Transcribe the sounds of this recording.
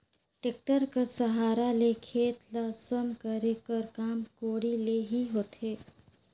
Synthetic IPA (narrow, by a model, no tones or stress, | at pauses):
ʈeːk̚ʈəɾkasəɦaːɾalekʰeːt̪lasəmkəɾekəɾkaːmkoːɽileɦiɦoːt̪eː